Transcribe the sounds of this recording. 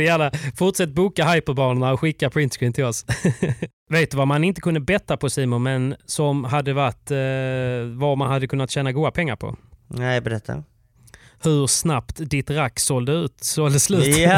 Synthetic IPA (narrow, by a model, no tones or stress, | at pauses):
ɛjæːlafʊʈsɛt̪̚ːbuːkaɦajpɔd̪bɑːnəɳaɔɧɪkːapʰɾɪnt̪skʰɹiːmt̪ʰɪlɔs | veːt̪̚d̪ɵvamanɪnt̪ə̥kʰɵnd̪əbɛt̪ːapʰɔsiːmʊmɛnsɔmɦad̪ːəvat̪ː | vamanhad̪ːəkʰɵnːat̪ɕɛːnaɡuːd̪apʰɛŋːaɾpʰɔ̰nɛbɛɾɛt̪ʰːa̰ | hɵɾsnapt̪d̪ɪt̪ɾakːsɔld̪əʉ̟ːt̪sɔld̪əslʉ̟ːt̪